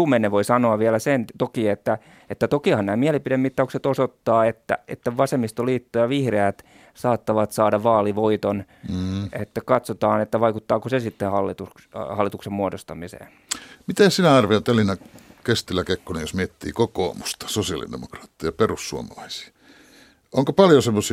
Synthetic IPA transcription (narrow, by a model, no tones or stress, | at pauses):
uːmenːeʋoisɑnoɑʋiælæsent̪okiet̪ːæ | et̪ːæt̪okihɑnnæːmiælipidemmit̪ːɑukset̪osot̪ːɑːet̪ːæ̰ḛt̪ːæʋɑsemːist̪oliːt̪ːojɑʋihreæt̪ | sɑːt̪ːɑʋɑt̪sɑːdɑʋɑːliʋoit̪on̩ː | et̪ːækɑt̪sot̪ɑːnet̪ːæʋɑikut̪ːɑːkosesit̪ːehɑlːit̪ukhɑlːit̪uksemmuodost̪ɑmisḛːn | mit̪esinæɑrʋeɑt̪elːˑinɑkest̪ilːækekːonejosmiet̪ːḭːkoko̰ːmust̪ɑ̥sosiɑ̰lḭdḛmokrɑːt̪ːijɑperussṵo̰mɑlɑisi̥ː | ʔoŋkopɑljosemːosi